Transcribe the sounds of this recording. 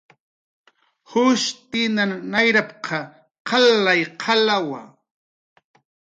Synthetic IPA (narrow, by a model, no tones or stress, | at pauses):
hʊʃt̪ɪnanajɾap̚qʰɑ | qʰɑlajqʰɑlawa̰